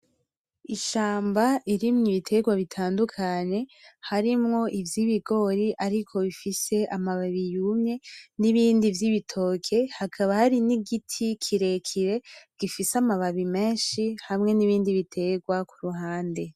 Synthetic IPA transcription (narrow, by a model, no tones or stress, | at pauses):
iʃaːmbaʔiɾimɲiβitʰe̞ɡwaβitʰaːndukʰaɲe̞haɾimŋo̞ʔivjiβiɡo̞ɾiʔaɾikʰo̞βifise̞ʔamaβaβijumɲe̞niβiːndivjiβitʰo̞kʰe̞hakʰaβahaɾiniɡitʰikʰiɾe̞kʰiɾe̞ɡ̥ifisamaβaβime̞ːnʃihamŋe̞niβiːndiβitʰe̞ɡwakuɾuɦaːnde̞